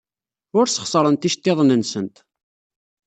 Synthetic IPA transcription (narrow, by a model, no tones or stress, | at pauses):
ʊɾsə̥χsˤəɾˤənt̪iʃt̪ːeðˤnənsənt̪